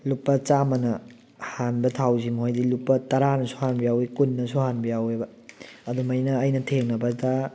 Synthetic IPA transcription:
lupːɐt͡ʃamɐnɐ | hanbɐtʰawzimɦojdilupːɐtɐɾanɐsuhanbɐjawikunːɐsuhanbɐjawebɐ | ɐdumɐjnɐːjnɐtʰeŋnɐbɐda

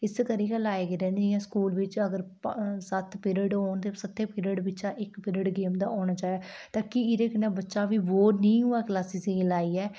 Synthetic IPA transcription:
ɪskəɾiːkəlaːeːɡɪɾɛːnd͡ʒɪjãːskuːlʋɪt͡ʃəɡəɾsət̪ʰpɪɾəɖɦoːnt̪eːsət̪ʰːeːpɪɾəɖbɪt͡ʃaːʔɪkpɪɾəɖɡeːmd̪aːʔoːnaːt͡ʃaːeɡat̪aːkiɪɾeːkɪneːbətːʃaːʋiːʋoːnĩːɦuːaːklaːsiːselaːiːɛː

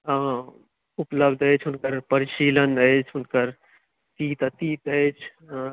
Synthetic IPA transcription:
ʊpləbd̪ət͡ʃʰʊnkəɾpəɾɪʃiːlənəet͡ʃʰʊnkəɾ | t̪iːt̪t̪iːt̪ət͡ʃʰ

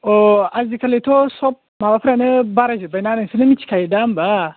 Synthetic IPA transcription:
oazikɐletosop̚mawapɾanɨbaɾad͡ʒibajnanɐnsɨnɨmit͡ʃi̥kajidamba

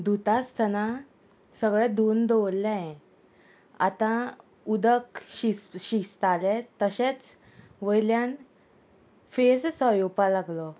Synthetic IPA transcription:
d̪ut̪ast̪ʰəna | səɡɭɛd̪ond̪ɔʋlːaɛ̃ | a̰t̪ã | ud̪əkɕisɕist̪alɛ̃t̪əɕẽt͡s | ʋəjljan | fessɔjopalaɡlɔ

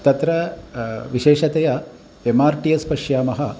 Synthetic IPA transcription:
t̪ɐt̪ɾɐ | ʋiʃeːʃɐt̪ejɐ | emaːɾʈijɐspɐʂjaːmɐɦɐ

